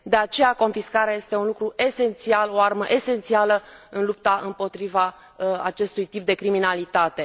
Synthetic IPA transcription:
d̪e̞at͡ʃe̞jako̞nfiskaɾeaje̞st̪e̞unlukɾue̞se̞nt̪sialo̞arməʔe̞se̞nt̪sialəɨnlupt̪aʔɨmpo̞t̪ɾiva | at͡ʃe̞st̪ujt̪ip̚d̪e̞kɾiminalit̪at̪e̞

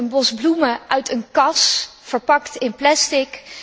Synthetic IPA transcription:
ənbɔzbluməʔœɥtənkɑsfəɹpɑktɪnplɛstɪk

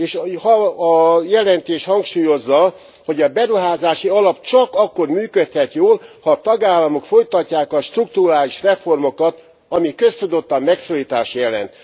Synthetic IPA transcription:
eːʃhɒː | jɛlɛnt̪eːʃhɒŋkʃuːjo̞zːɒ | ho̞ɟɒbɛɾuɦaːzaːʃiɒlɒp̚t͡ʃɒkɒkːo̞rmyːkøt̪hɛt̪joːlhɒːt̪ɒɡaːlːɒmo̞kfo̞jt̪ɒcːaːkɒʃt̪ruk̚t̪uɾaːliʃrɛfo̞rmo̞kɒt̪ | ɒmikø̞st̪ud̪o̞t̪ːɒmːɛksoːliːt̪aːʃjɛlɛ̰nt̪

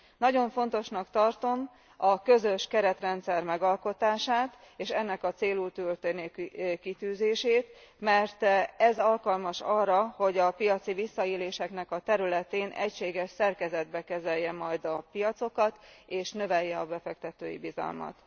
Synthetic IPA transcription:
nɒɟo̞ɱfo̞nt̪o̞ʃnɒkt̪ɒrt̪o̞m | ɒkø̞zøʃkɛɾɛt̪rɛnt̪sɛrmɛɡɒlko̞t̪aːʃaːt̪ | eːʃɛnːɛkɒt̪seːluːlt̪ølt̪ønekit̪yːzeːʃeːt̪mɛrt̪ɛzɒlkɒlmɒʃɒrːɒho̞ɟɒpijɒt̪sivisːɒeːleːʃɛknɛkɒt̪ɛɾylɛt̪eːnʔɛcʃeːɡɛʃsɛrkɛzɛd̪̚bɛkɛzɛjːɛmɒjd̪ɒpijɒt̪so̞kɒt̪eːʃnø̞vɛjːɛɒbɛfɛk̚t̪ɛt̪ø̰ːjḭbizɒ̰lmɒ̰t̪

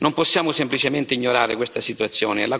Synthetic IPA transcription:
nomposːjaːmʊsemplit͡ʃement̪ɪiɲːoɾaːɾɪkwest̪asit̪uat̪sːjɔːneɛ̰lːa

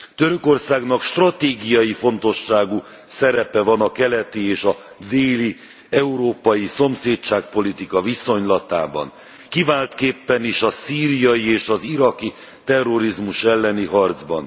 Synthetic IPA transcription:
t̪øɾøko̞rsaːɡnɒkʃt̪rɒt̪eːɡijɒjifo̞nt̪o̞ʃːaːɡu | sɛɾɛpɛvɒnɒkɛlɛt̪ieːʃɒ | d̪eːli | ɛuɾoːpɒjiso̞mseːtt͡ʃaːk̚po̞lit̪ikɒviso̞ɲlɒt̪a̰ːbɒ̰n | kivaːlt̪keːpːɛniʃɒsiːɾijɒjieːʃɒziɾɒki | t̪ɛrːo̞ɾizmuʃɛlːɛniɦɒrd̪zbɒn

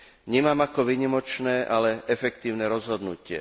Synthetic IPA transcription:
ɲɛmaːmakɔʋiːɲimɔt͡ʃnɛːʔalɛʔɛfɛk̚t̪iːʊnɛɾɔzɦɔd̪nucɪɛ̰

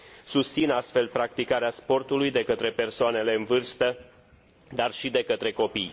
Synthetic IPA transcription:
sust̪sinast̪fe̞lpɾak̚t̪ikaɾeaspo̞rt̪ulujd̪e̞kət̪ɾe̞pe̞rsoane̞le̞ɨnvɨrst̪ə | d̪arʃid̪e̞kət̪ɾe̞ko̞pij

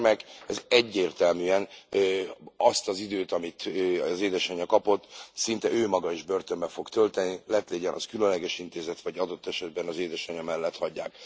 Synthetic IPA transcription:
mɛkɛzɛɟːeːrt̪ɛlmyɛn | ɒst̪ɒzid̪øːt̪ɒmit̪ːɒzeːd̪ɛʃɒɲɒkɒpo̞t̪ːsint̪ɛʔøːmɒɡɒiʒbø̞rt̪ø̞mbɛfo̞kt̪ølt̪ɛnilɛt̪leːɟɛnʔɒ̰skylønlɛɡɛʃint̪eːzɛt̪ʋɒɟɒd̪o̞t̪ːɛʃɛd̪̚bɛnɒzeːd̪ɛʃɒɲɒmɛlːɛt̪hɒɟːa̰ːk̚

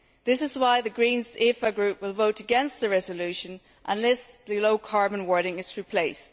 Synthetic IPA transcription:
ðɪsɪzwaɪðɨɡɹĩnzifəɡɹʉp̚wɪlˠvoʊɾəɡɛ̃nst̪̚ðəɹɛzəlʉʃə̃n | ʔə̃nlɛsðɨloʊkʰɑɹbə̃nwɜɹɾɪ̃ŋɪz̥ɹipʰl̥eɪst

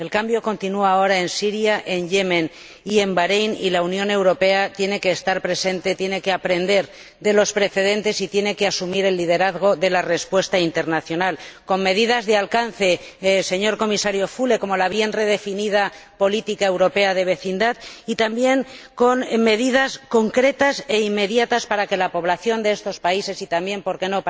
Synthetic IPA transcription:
e̞lkambjo̞ko̞nt̪inuaːo̞ɾae̞nsiɾjaʔe̞nʎemẽ̞n | ie̞mbaɾejnḭlaunjõ̞ne̞wɾo̞pe̞at̪je̞ne̞ke̞ːst̪aɾpɾe̞se̞nt̪e̞t̪je̞ne̞keapɾe̞nd̪e̞ɾ | ðe̞lo̞spɾe̞θe̞ðe̞nt̪e̞sit̪je̞ne̞keasumiɾe̞lːið̞e̞ɾaðɣ̞o̞ðe̞lare̞spwe̞st̪aint̪e̞ɾnaθjo̞nalko̞nme̞ðiðazðealkan̟θe̞se̞ɲoɾko̞misaɾjo̞fule̞ko̞mo̞laβ̞je̞nre̞ðe̞finið̞apo̞lit̪ikae̞wɾo̞pe̞aðe̞β̞e̞θind̪aðit̪ambje̞ŋko̞nme̞ðið̞asko̞ŋkɾe̞t̪ase̞imːe̞ðjat̪aspaɾake̞lapo̞β̞laθjo̞nd̪e̞est̪o̞spaise̞sit̪ambje̞mpo̞ɾke̞no̞

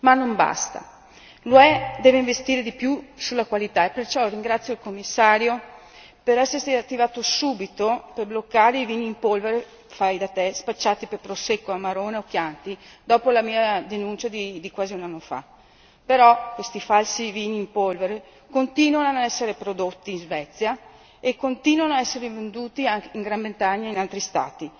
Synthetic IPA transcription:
manːomba̰st̪a̰ | loɛd̪ɛːveiɱvest̪iːɾed̪ipjusulːakwalit̪aepert͡ʃɔriŋɡɾat̪sːjoilkomːisːaːɾjo | peɾɛsːert̪iat̪ːivaːt̪osuːbit̪operblokːaːɾeiviːniːmpolveɾe | fajd̪at̪espat͡ʃːaːt̪iperpɾosekːoamaɾoːneokjant̪id̪ɔːpolamiːad̪enunt͡ʃad̪id̪ikwaːziunanːofa̰ | peɾɔkwest̪ifalsiviːniːmpolveɾe | kont̪iːnwanoanaɛsːeɾepɾod̪ot̪ːiːnzvɛt̪sːja | ekːont̪iːnwanoaɛsːeɾevend̪uːt̪iaŋkeiŋɡɾambent̪aɲːainalt̪ɾist̪a̰ːt̪i

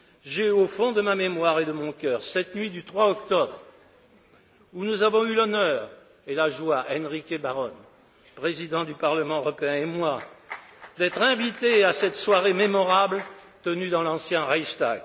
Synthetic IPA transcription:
ʒeofɔ̃d̪əmamemwaʁed̪əmɔ̃kʲœʁsɛt̪nɥid̪yt̪χwaɔkt̪ɔbʁ | unuzavɔ̃ylɔnœʁ | elaʒwaʔɛnʁikʲebaʁɔn | pχezid̪ɑ̃d̪ypaʁləmɑ̃øʁɔpeɛ̃emwa | d̪ɛt̪χɛ̃vit̪easɛt̪swaʁememɔʁabl | t̪ənyd̪ɑ̃lɑ̃sjɛ̃ʁajʃt̪a̰ɡ

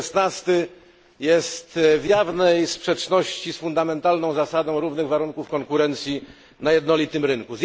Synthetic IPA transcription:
snast̪ɘ | jɛst̪vjavnɛjspʂɛt͡ʂnɔɕt͡ɕisfund̪amɛnt̪alnɔ̃w̃zasad̪ɔ̃w̃ɾuvnɘɣvaɾuŋkufkɔŋkuɾɛnt̪sʲji | najɛd̪nɔlʲit̪ɘmɾɘŋkuzʲ

